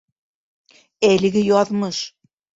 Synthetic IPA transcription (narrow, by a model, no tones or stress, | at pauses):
ælɘ̆ɣɘjɒðmɤʃ